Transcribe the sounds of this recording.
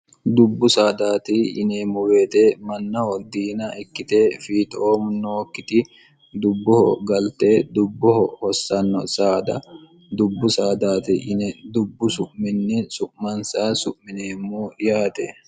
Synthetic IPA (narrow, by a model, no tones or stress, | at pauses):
d̪ʊbːʊsaːd̪aːt̪ɪɪneːmːʊwe̞ːt̪emɐnːɐhɔd̪iːnɐʔɪkːɪt̪eːfiːt̪oːmʊnoːkːɪt̪ɪ | d̪ʊbːɔhɔ̰ɡɐlt̪eːd̪ʊbːɔhɔhɔsːɐnːɔ̰saːd̪ɐ̰ | d̪ʊbːʊsaːd̪aːt̪ɪʔɪnɛd̪ʊbːʊsʊʔmɪnːɛsʊʔmɐnsaːsʊʔmɪneːmːujaːt̪ḛ